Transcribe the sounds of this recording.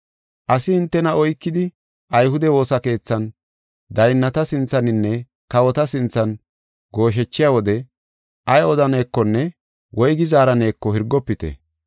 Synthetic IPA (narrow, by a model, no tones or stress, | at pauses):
ʔɐsɪhɪnt̪ːɛnɐɔjkːɪd̪ɪ | ʔɐjhʊd̪ɛwo̞ːsɐke̞ːt͡sːɐn | d̪ɐjnːɐt̪ɐsɪnt͡sːɐnɪnːɛ | kɐwɔt̪ɐsɪnt͡sːɐn | ɡo̞ːʃ̬ɛt͡ʃːɪjawɔd̪ɛ | ʔɐjɔd̪ɐne̞ːkːɔnːɛ | wʔɔjɡɪzaːɾɐne̞ːkːɔhɪɾɡːɔpːɪt̪ɛ̰